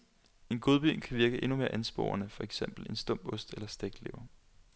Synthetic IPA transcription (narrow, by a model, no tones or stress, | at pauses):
e̝nɡ̥o̝ðˠb̥y̰nkʰæʋiɐɡ̥əʔe̝nume̝ːɐ̰ʔænsb̥o̝̰ːɐnəfɒ̽eɡ̥sem̰b̥l̩e̝nsd̥ɔ̽m̰b̥ɔ̽sd̥elɐsd̥eɡ̥le̝ʊɐ